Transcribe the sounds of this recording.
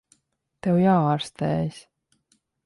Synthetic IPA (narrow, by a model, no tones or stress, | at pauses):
t̪ewjɑːɾst̪esʲ